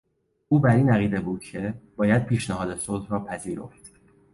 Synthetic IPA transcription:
uːbæɾiːnæɣiːd̪e̞buːd̪̥̚cʰe̞b̥ɒːjæd̪̚pʰiːʃnæɦɒːd̪esolhrɒːpʰæziːɾo̞̰ft̪

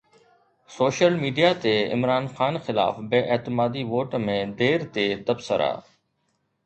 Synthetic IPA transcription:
soːʃəlmiːɖijat̪eɪ̰mɾaːnxaːnxɪla̰ːfbeːʔeːt̪ɪmaːd̪iʋoːʈmẽd̪eːɾt̪et̪ɐbsə̰ɾa̰ː

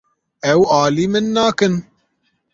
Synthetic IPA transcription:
ɛwɑːliːmɨnːaːkɨn

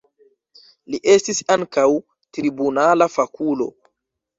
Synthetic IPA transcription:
liʔe̞stisaŋkaw | tɾibunalafakulo̰

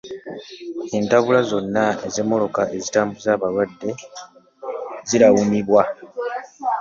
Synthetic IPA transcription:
e̞ntaβulazo̞nːae̞zemo̞lo̞kaʔe̞zitaːmbuzaːβalwadːe̞ | ziɾawumiβwa

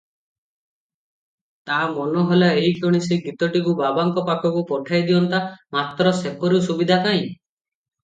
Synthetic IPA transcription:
t̪amɔnɔɦelaeɦikʰɔɽ̃isiɡit̪ɔʈikubabaŋkɔpakʰɔkupɔʈʰajd̪iɔnt̪amat̪ɾɔsepʰɔɾusubid̪ʱakaĩ

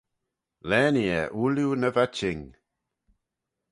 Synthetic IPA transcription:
lɛːniəʔuljunəvat͡ʃɪŋ

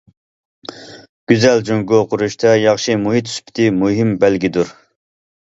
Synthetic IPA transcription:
ɡ̥ʲyzɛld͡ʒoŋɡoqʊɾuʃt̪ʰɑjɑχʃimuɦit̪ʰːy̥spʰɪ̥t̪ɪmuɦɪmbɛlɡʲid̪uɾ

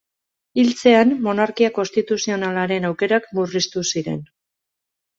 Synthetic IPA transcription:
ilt͡se̞anmo̞naɾkiako̞nst̪it̪usio̞nalaɾe̞nawke̞ɾakmurist̪usiɾe̞̰n

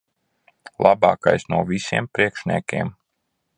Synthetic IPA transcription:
lˠʔabɑːkajsnuɔvisḭɛmpɾiɛkʃnʲḭɛkʲḭɛm

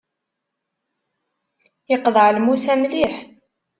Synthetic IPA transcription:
əqðˤəʕlmusæmliħ

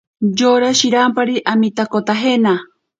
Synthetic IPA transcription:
joɾaʃiɾampaɾiʔamit̪akot̪aɦena

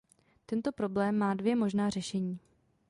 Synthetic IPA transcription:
t̪ɛnt̪o̞pɾo̞blɛːmːaːdvjɛmo̞ʒnaːrɛʃɛɲiː

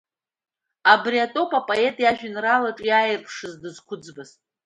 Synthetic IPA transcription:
abriatʼo̞wpʼapʼoe̞tʼjaʒᶣɪnralaʈ͡ʂʼijajrpʰʂɨzdɨzkʷʰʊd͡zbaztʼ

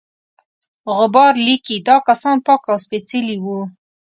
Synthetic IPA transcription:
ɣʊbɑɾlikid̪ɑkasɑnpɑkawspet͡siliwu

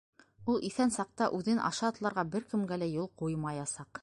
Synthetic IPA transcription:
ulˠiθænsɑq̚t̪ɑʔʉðɘnʔɑ̰ʃɑːt̪lˠɑɾʁɑbɘɾkɘ̆mɡælæjulˠqujmɑjɑsɑq

